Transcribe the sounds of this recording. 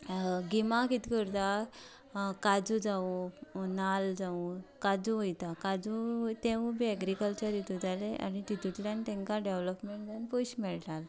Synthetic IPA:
ɡimakit̪ikəɾt̪a | kad͡zud͡zaunald͡zaũkad͡zuʋojt̪akad͡zut̪ẽʋbʱiɛɡɾikəlt͡ɕəɾit̪ud͡zaleʔa̰nit̪it̪uʈ̪ljãnt̪ɛ̃ŋkaɖeʋləpmeɳʈd͡zanpoɕmɛɭʈal

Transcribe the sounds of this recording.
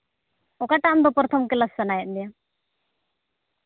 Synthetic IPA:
ɔkaʈaʔmd̪ɔpəɾt̪ʰəmkɛlasːanajɛʔ̪̚ˀnd̪ija

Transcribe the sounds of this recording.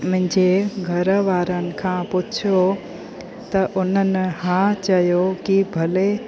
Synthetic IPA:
mʊ̃ɦɪ̃ɲd͡ʑeɡʱɐɾʋaːɾənɪ̆kʰãːpʊt͡ɕʰjo | t̪ɐʔʊnənɪ̆hãt͡ɕɐjokibʱɐle

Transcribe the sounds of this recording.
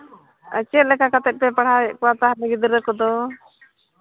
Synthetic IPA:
ə̰t͡ʃɛlɛkakat̪ɛt̪̚pɛpaɽ̤akɔwat̪aɦanɛɡid̪iɾəkɔd̪ɔ

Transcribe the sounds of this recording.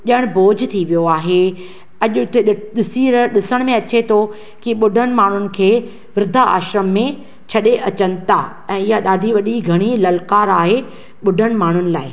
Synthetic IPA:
ʄəɽ̃boːd͡ʑʱt̪ʰiʋijoaːɦe | ɐʄʊʊt̪ʰeɗɪsiːɾɗɪsəɽ̃mẽɐt͡ɕet̪ʰo | kiɓʊɖʱəɽ̃ɪ̆maːɳ̤ʊnɪ̆kʰeː | ʋɾɪd̪ʱaa̰ːʃɾəmːẽ | t͡ɕʰɐɗeʔɐt͡ɕənɪ̆t̪ʰa | ɛ̃ːɪɦjaɗaːɖʱiʋɐɗiɡʱɐɽ̃ilɐlkaːɾaːɦe | ɓʊɖʱəɽ̃̆maːɳ̤ʊnɪ̆laːɪ

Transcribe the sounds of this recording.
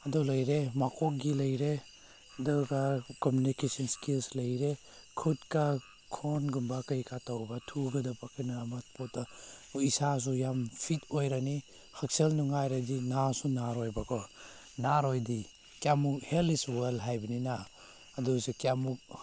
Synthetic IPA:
ɐdulɐjɾemakʰɔɡilɐjɾe | dɐɡakɔmjunikesɔnskilslɐjɾe | kʰutka | kʰɔnɡumbakɐjkatawbatʰuɡɐdapʰakʰinamat̚pʰɔt̚daisas̬ujampʰitojɾani | hak̚selnuŋajɾadinasunaɾojbakʰɔ | naɾojdi | kjamuk̚heliswalɦajbɐninaː | dusikiamuk̚

